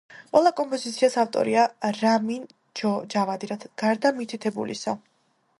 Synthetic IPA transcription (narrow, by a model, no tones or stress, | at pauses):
qʼwɛlˠakʼɔmpʼɔzit̪sʰiasaft̪ʼɔ̰ɾiaɾamin | d͡ʒɔd͡ʒavad̪iɾat̪ʰaɡ̥aɾd̪amit̪ʰit̪ʰɛbṵlḭsɔ